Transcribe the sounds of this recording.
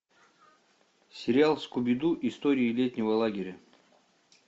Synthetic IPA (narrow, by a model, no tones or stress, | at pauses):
sʲɪɾʲɪalˠskʊbʲɪd̪uʔist̪oɾʲiːlʲet̪ʲnʲɪvəlˠaɡʲɪɾʲə